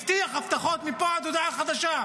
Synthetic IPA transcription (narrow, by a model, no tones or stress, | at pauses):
ft̪ijaxaft̪axoːt̪mɪpaʕad̪wd̪aʕaxad̪aʃaː